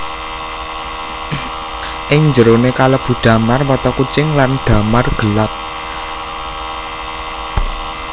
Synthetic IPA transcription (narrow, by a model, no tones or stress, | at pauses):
ʔɪŋɲd͡ʒəɾonekaləb̥ṳɖ̪̥ä̤marwɔt̪ɔkut͡ʃɪŋlanɖ̪̥a̤marɡ̥əlap̚